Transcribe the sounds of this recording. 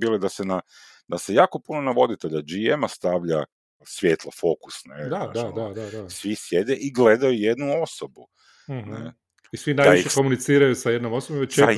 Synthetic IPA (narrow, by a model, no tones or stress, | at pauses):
bilid̪asena | d̪̥asejaːko̞puno̞naʋo̞d̪it̪e̞ʎad͡ʒiemast̪aʋʎa | sʋjeːt̪lˠafo̞ku̥sned̪aaaasʋisjed̪eʔiɡle̞d̪ajujed̪nuo̞sobu | nḛ | isʋinaj̪aiiʃekomunit̪siːɾajusajed̪nomosobomet͡ʃea